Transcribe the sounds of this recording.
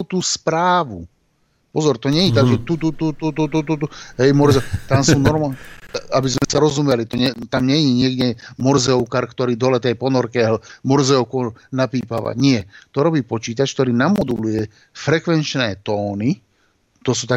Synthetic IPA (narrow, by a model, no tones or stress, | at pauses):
t̪uːspɾaːʋu | pɔzɔɾt̪ɔɲɛjɛt̪aɡʒɛt̪ut̪ut̪ut̪ut̪ut̪ut̪ut̪uɦɛjmɔɾzɛt̪amsunɔɾmaabizmɛsaɾɔzumɛlit̪ɔɲɛt̪amɲɛjɛɲɪɛɡdɛmɔɾzɛʊkaɾkt̪ɔɾiːd̪ɔlɛt̪ɛjpɔnɔɾkɛɦlmɔɾzɛɔkɔnapiːpaʋa̰ɲɪɛt̪ɔɾɔbiːpɔt͡ʃiːt̪̬at͡ʃk̚t̪ɔɾiːnamɔd̪ulujɛ | fɾɛkʋɛnt͡ʃnɛːt̪ɔːni | t̪ɔsuːt̪a